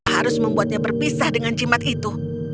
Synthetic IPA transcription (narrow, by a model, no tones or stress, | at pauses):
ɦaɾʊsməmbuat̪̚ɲabərpisahdəŋand͡ʒimat̪it̪u